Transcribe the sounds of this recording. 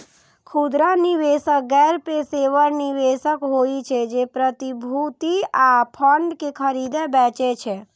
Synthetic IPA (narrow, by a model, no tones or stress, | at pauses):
kʰud̪ɾaniʋesək̚ɡɛɾpeseʋəɾniʋesəkɦoit͡ʃʰed͡ʒepɾət̪ibʱut̪iapʰəɳɖkekʰəɾid̪ebɛ̃t͡ʃet͡ʃʰe